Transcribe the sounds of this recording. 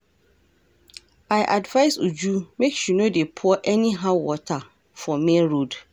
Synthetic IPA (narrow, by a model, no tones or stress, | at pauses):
aɪʔadvaɪsud͡ʒumeksunodepʰʊɔʔɛnĩɦãwɔtʰa | fɔmɛ̃ɾod